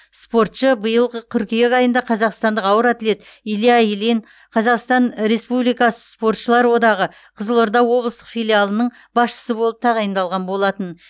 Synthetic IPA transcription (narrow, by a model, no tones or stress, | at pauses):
spo̞ɾt̪ʃəbəjəlˠʁət̪ʲʰʏɾkʲijekɑjənd̪ɑqʰɑzɑqst̪ɑnd̪əqɑwəɾat̪ɪle̞t̪iliajlen | qʰɑzɑqst̪ɑnɾe̞spublijkɑsə̥spo̞rt̪ʃəlˠɑɾwo̞d̪ɑʁə | qʰəzəlˠoɾd̪ɑwo̞blˠəst̪ə̥qfijlʲialˠənəɴ | bɑsʃə̥səbo̞lˠəp̚t̪ʰɑʁɑjənd̪ɑlˠʁɑnbo̞lˠɑt̪ən